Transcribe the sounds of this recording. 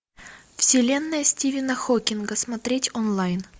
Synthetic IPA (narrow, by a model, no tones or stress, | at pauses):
fsʲɪlʲe̞nːəjəsʲtʲivʲɪnəxokʲɪnɡəsmɐt̪ɾʲetʲonlˠajn